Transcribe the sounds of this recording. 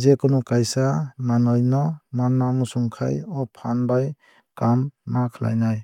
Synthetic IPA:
zekɔnɔkajsamanɔjnɔmanːamusuŋkʰa̰jɔpʰanbaj | kamːakʰla̰jnaj

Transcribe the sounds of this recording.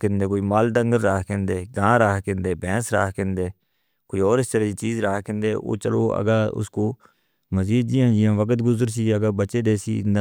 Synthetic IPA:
kɪ̃nd̪eːkoːiːmaːlɖ̪əŋɡəɾːaːkẽːnd̪eːɡãːɾaːkẽːnd̪eːbɛ̃ːsɾa̰ːkẽnd̪eː | koːiːɔːɾɪst̪əɾeːd͡ʒiːt͡ʃiːzɾaːkẽnd̪eːo̰ːt͡ʃəlo̰ːə̰ɡaːʊ̰skoː | məziːd̪d͡ʒiãːd͡ʒɪãːʋəkət̪ɡʊzəɾsiːəɡaːbət͡ʃeːd̪eːsḭːn

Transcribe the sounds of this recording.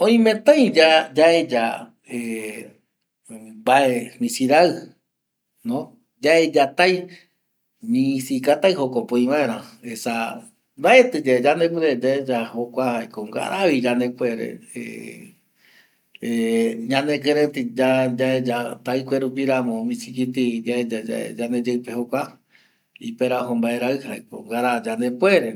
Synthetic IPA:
õĩmẽt̪ãjd͡ʒad͡ʒaed͡ʒa | e | baemĩsiɾaɨ | nõ | d͡ʒaed͡ʒat̪aj | ɲĩsikat̪ajhokopõĩβãẽɾ̃ãesa | d̪aet̪ɨd͡ʒad͡ʒand̪epɨɾed͡ʒaed͡ʒahokʷahajkoŋɡa̰ɾaβid͡ʒanepweɾḛḛ | eɲãnekeɾet̪id͡ʒad͡ʒaed͡ʒat̪ajkʷeɾup̬iɾamõmĩsik̬it̪id͡ʒaed͡ʒad͡ʒaḛd͡ʒaned͡ʒepehokʷa | ipeɾaɦõmbaeɾaɨhaeko̰ŋɡaɾad͡ʒand̪epweɾe

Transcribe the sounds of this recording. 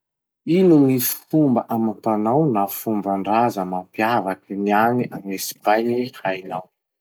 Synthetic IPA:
inunisfumbəʔamat̪anawnafumbaɳɖ͡ʐazəmapiavakinianiʔaŋesi̥vajnihajnaw

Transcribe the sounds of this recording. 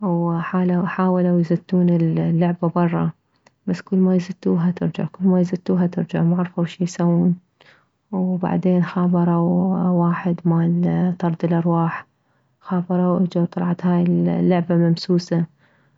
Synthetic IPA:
wħaːlaħaːwalawjzat̪ːuːnɪllːʊʕbabɑrˤːɑ̰ | baskʊlːmajzat̪ːuːɦat̪ɪɾd͡ʒa̰ʕkʊlːmajzat̪ːuːɦat̪ɪɾd͡ʒaʕmaʕɾˤfawʃiːjsawːuːn | wba̰ʕd̪eːnxɑːbɑɾˤɑwwaːħɪd̪maːlt̪ɑɾˤd̪ɪlʔɑɾˤwaːħ | xɑːbɑɾˤɑwʔad͡ʒawt̪ˤɑlʕɑt̪haːjɪllːʊʕbamamsuːsa

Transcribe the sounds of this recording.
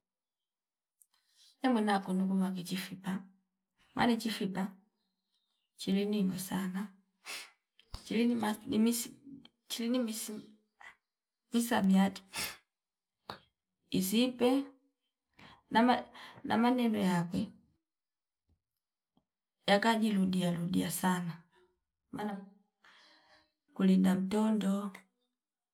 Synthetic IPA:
ɛmunakunukuβak̬it͡ʃifipa | ma̰nit͡ʃifipa | t͡ʃilininɔsana | t͡ʃilinimanimis | t͡ʃilinimis | misamiati̥ | izipɛ | namanʔa̰manɛndɔjakwɛ | jakaɟiludialudiasana | mana | kulindam̩tɔndɔ

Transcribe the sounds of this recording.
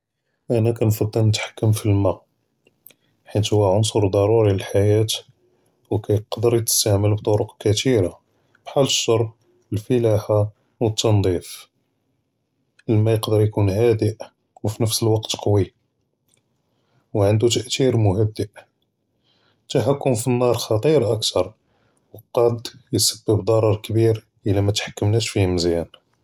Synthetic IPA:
ʔænækænfɑd̪ˤːəlnət̪ħḁkːəmfilmæ | ħit̪hʊwːæʕʊnsˤʊɾˤd̪ˤɑɾˤuɾiəlħajæt̪ | wkæjqd̪əɾjət̪ə̥st̪aʕməlbt̪ˤoɾʊqkæt̪iɾa | b̥ħaləʃːɑɾˤb̚ | əlfəlaħa | wət̪ːɑnd̪ˤif | ʔəlmæjəqd̪əɾjkunhæd̪əʔ | wfinəfsəlwɑqt̪qɑwi | wʕənd̪ut̪əʔt̪iɾmʊhəd̪ːəʔ | t̪ːaħakːʊmfinːɑɾˤxɑt̪ˤiɾʔækt̪ʰɑɾˤ | wəqɑd̪jəsəbːəbd̪ˤɑɾˤɑɾˤkəbiɾ | ʔəlæmæt̪ħḁkːəmnæʃfihməzjæn

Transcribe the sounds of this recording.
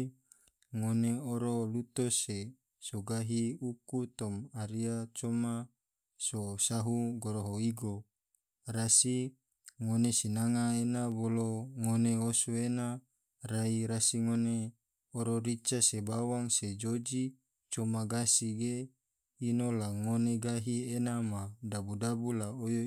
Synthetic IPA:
ŋoneoɾolut̪ose | soɡaɦiukut̪omaɾiat͡ʃoma | sosaɦuɡoɾoɦoiɡo | rasi | ŋonesinaŋaenaboloŋoneosuena | raiɾasiŋone | oɾoɾit͡ʃasebawaŋsed͡ʒod͡ʒi | t͡ʃomaɡasiɡe | inolaŋoneɡaɦienamadabudabulaojo

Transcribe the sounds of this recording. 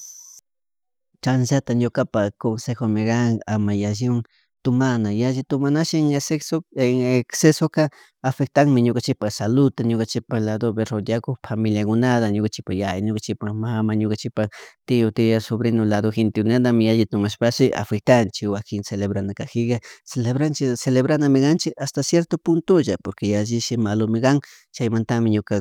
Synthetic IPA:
t͡ʃans̬at̪aɲokapakonsexomɪɡaŋamajaʒɪŋ | t̪ʊmanajaʒɪt̪ʊmanaʃɪŋeseksoeŋeksesoka | afek̚t̪aŋmɪɲokant͡ʃɪpaxsalʊt̪aɲokant͡ʃɪpaxlad̪oβeɾod̪jakoxfamiljakʊnaðaɲokat͡ʃɪ̥pajajɲokat͡ʃɪpaxmamaɲokat͡ʃɪpaxt̪ɪot̪ijasoβɾenolaðoxent̪ɪkʊnand̪amɪaʎɪt̪ʊmaʃpaʃɪʔa̰fek̚t̪ant͡ʃɪkwakɪŋseleβɾanakaxɪɣaseleβɾant͡ʃɪseleβɾanamɪɣant͡ʃɪʔast̪asjeɾt̪opʊnt̪oʒapoɾkejaʒɪʃɪmalomɪɡɑŋ | t͡ʃajmant̪amɪɲoka

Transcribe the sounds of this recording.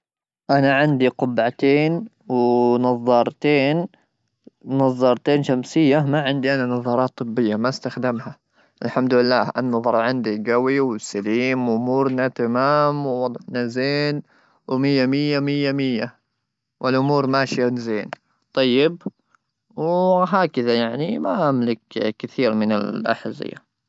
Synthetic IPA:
ʔanaʕɪnd̪iqʊbʕat̪eːn | wnɑðˤːɑːɾˤt̪eːn | ɑðˤːɑːɾˤt̪eːnʃamsɪjːamaʕɪnd̪iʔananɑðˤɑːɾˤɑːt̪ˤːɨbːɪjːamast̪axd̪ɪmha | ʔɪlħamd̪ɪlːaːʔanːɑðˤɑɾˤʕɪnd̪iɡawiwɪsaliːmwʔʊmuːɾnat̪amaːmwwɑd̪ˤʕnazeːn | wmɪjːamɪjːamɪjːamɪjːa | wʔɪlʔʊmuːɾmaːʃjanzeːn | t̪ˤɑjːɪb | wɦaːkaðajaʕnimaʔamlɪkkɪθiːɾmɪnɪ̰lʔa̰ħazɪ̰ja̰

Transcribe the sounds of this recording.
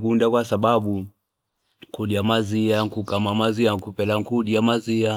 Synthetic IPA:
kundakwasaɓaɓu | ŋkuɗiamaziaŋkukamamaziaŋkupɛlaŋkuɗiamazia

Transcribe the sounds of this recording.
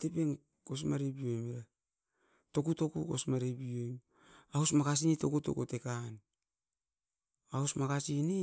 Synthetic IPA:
te̞peŋ | ko̞s̬maɾibiomiɾa | to̞kuto̞kuko̰smaɾebiom | ausmakas̬initokuto̰kotekan | ausmakasini

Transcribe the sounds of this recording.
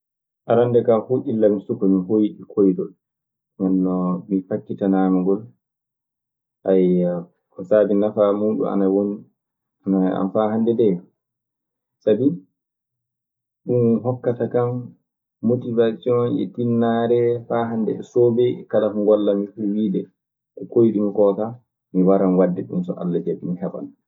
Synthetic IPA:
ʔaɾandɛkahuʔilːamisukɔmiɦojɗikʰojɗɔ | mɔnːɔmifakːitanaːmaŋɡɔl | ʔaj | kɔsabinafamuːɗṵa̰nawoni | anaa̰mfaɦandɛdɛ | sabi | ɗumɦɔkːatakamː | otivasiɔnʔɛ̰tinːaɾɛfaːɦandɛ̰soːbɛkalahuŋɡɔlːamifuwiːdɛ | kɔkojiɗimikɔːta | miwaɾanwadːɛɗumsɔʔa̰lːad͡ʒɛɗumhɛɓa̰n

